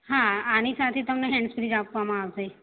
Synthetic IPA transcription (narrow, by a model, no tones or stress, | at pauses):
ɦaanisat̪ʰet̪əmneɦɛ̃ɳɖsfɾid͡ʒapʋamãaʋse